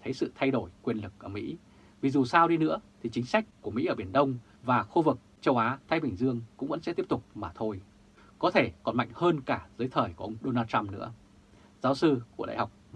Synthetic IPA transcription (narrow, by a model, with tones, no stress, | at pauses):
t̪ʰə˨˦jsɨ̰˧˨t̪ʰa˧jɗo˧˩jkwi˧ənlɨ˨˩k̚ʔəː˧˩mḭ˧˥ | vi˨˩zu˨˩saː˧wɗi˧nɨ̰˧˥ət̪ʰi˨˩t͡ɕï˨˦ŋ̟sa˦˥jk̟̚ku˧˩əmḭ˧˥ʔəː˧˩ɓi˧˩ənɗə˧wŋ͡m | vaː˨˩xu˧vɨ˨˩k̚t͡ɕə˧wʔaː˨˦t̪ʰaː˧jɓï˨˩ŋ̟zɨ˧əŋkʊ̰˧˥ŋ͡mvə̰˧˥nsɛ̰˧˥t̪i˦˥əp̚t̪u˨˩k͡p̚maː˨˩t̪ʰo˧j | kɔ˨˦t̪ʰe˧˩kɔ˨˩nma̰˧˨jŋ̟həː˧nkaː˧˩zɨː˨˦jt̪ʰəː˨˩jku˧˩ʔə˧wŋ͡mɗo˧naː˧t̚t͡ɕa˧mnɨ̰˧˥ə | zaː˨˦wsɨ˧ku˧˩əla̰ː˧˨ha˨˩wk͡p̚